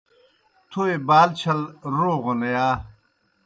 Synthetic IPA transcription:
t̪ʰuebaːlt͡ɕʰɐlɾoːʁonɐjaː

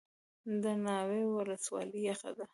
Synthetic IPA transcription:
d̪ənɑwewələswɑ̰ləjaxa̰d̪a

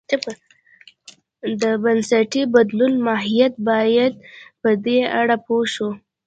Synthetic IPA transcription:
d̪əbansaʈibad̪lʊnmɑɦijat̪̚bɑjad̪̚pəd̪eaɽapoʃu

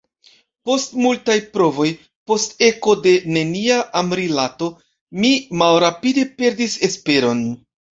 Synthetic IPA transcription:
po̞stmultajpɾo̞vo̞j | po̞ste̞ko̞de̞ne̞niaʔːmɾilato̞ | mimalɾapide̞pe̞ɾdise̞spe̞ɾo̞n

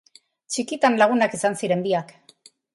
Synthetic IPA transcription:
t͡ʃikit̪anlaɣ̞unakisansiɾe̞mb̪iak

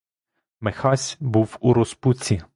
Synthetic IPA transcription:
mexɑsʲbuwuɾɔsput͡sʲi

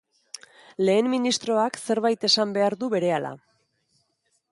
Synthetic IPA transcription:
le̞ːmmːinist̪ɾo̞akse̞ɾβajt̪e̞sambe̞aɾðuβe̞ɾe̞ala̰

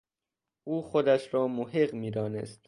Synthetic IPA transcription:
ʔuːxod̪æʃɾɒːmoɦeɢmiːd̪ɒːnḛst̪

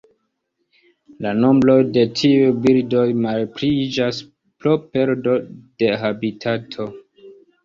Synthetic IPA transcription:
lano̞mbɾo̞jde̞tʰiujbildo̞jmalpɾid͡ʒas | pɾope̞ɾdo̞d̥e̞ɦabitʰatʰo̞

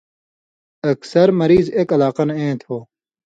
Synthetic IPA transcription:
ɐksɐɾmɐɾiːzeːkɐlaːqɐnẽːt̪ʰoː

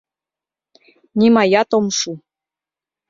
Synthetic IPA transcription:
nʲimɑjɑt̪omʃu

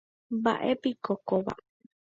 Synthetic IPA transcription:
ba̰ʔepikokoʋa̰

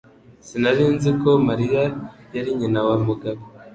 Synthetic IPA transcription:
sinaɾiːnziko̞maɾijajaɾiɲinawamuɡaβe

